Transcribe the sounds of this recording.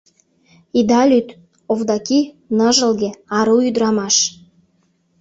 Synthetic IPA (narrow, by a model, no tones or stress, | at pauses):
id̪ɑlʲyt̪ | ovd̪ɑkʲi | nəʒəlˠɡʲeɑɾuyd̪ɾɑmɑʃ